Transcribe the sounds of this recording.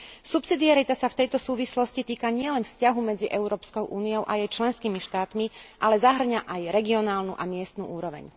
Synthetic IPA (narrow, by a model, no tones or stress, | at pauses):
supsid̪iaɾit̪asaft̪ɛjt̪ɔsuːʋislɔscit̪iːkaɲɪɛlɛnfscaɦumɛd͡ziʔɛʊɾɔːpskɔʊʔuːniɔʊʔajɛjt͡ʃlɛnskiːmiʃt̪aːt̪miʔalɛzaɦr̩ɲaʔajɾɛɡiɔnaːlnuʔamɪɛst̪nṵʔuːɾɔʋɛ̰ɲ